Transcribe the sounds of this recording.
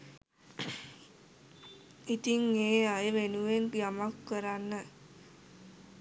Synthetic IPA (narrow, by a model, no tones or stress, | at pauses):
it̪iŋeːajəʋenuʋenpijamakːəɾanːə